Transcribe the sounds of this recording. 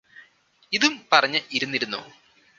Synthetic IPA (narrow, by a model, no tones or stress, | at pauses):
iðumpɐrɐɲːɨʔiɾunːiɾunːṵ